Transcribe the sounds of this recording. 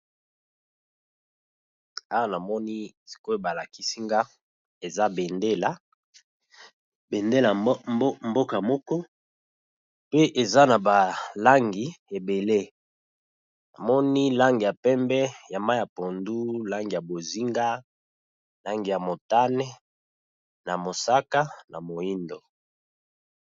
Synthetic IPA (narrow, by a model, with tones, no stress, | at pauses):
a˦wa˦˨na˨mɔ˦ni˦ | si̥˨ko˦e˦ba˨la˨ki˦si˦ŋɡa˦ | e˨za˦be˨nde˦la˨ | be˨nde˦la˨m˦mbo˦ka˨mɔ˦kɔ˦ | pe˦ʔe˨za˦na˨ba˨la˦ŋɡi˨e˨be˨le˦ | na˨mɔ˦ni˦la˦ŋɡi˨ja˨pɛ˦mbɛ˦ja˨ma˦ja˨po˨ndu˦la˦ŋɡi˨ja˨bo˨zi˦ŋɡa˦ | la˦ŋɡi˨ja˨mo˨ta˦nɛ˦ | na˨mo˨sa˦ka˦na˨mo˨i˦ndo˨